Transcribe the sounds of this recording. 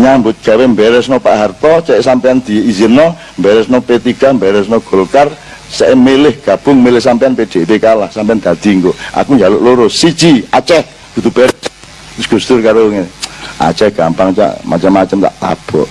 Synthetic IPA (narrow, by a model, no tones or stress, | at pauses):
ɲambʊt̪̚ɡ̥awɛmbɛɾɛsnopaʔɦart̪ɔt͡ʃɛʔsampeand̪̥i̤izinːɔ | mbɛɾɛsnopet̪iɡ̥ambɛɾɛsnoɡ̥o̤lkar | sɛʔemelɪhɡ̥a̤b̥ʊ̤ŋmelɪhsampejanped̪̥et̪ekalahsampeand̪̥a̤d̪̥i̤ŋkoʔa̰kuɲd͡ʒaloʔloɾʊssi̥d͡ʒ̥iat͡ʃɛh | ɡ̥ud̪̥ṳb̥ɛɾɛs | ɡ̥ṳst̪ʊrkaɾoŋeʔa̰t͡ʃɛhɡ̥ampaŋt͡ʃa̰ʔma̰t͡ʃəmːat͡ʃəmt̪a̰ʔt̪a̰b̥ɔʔ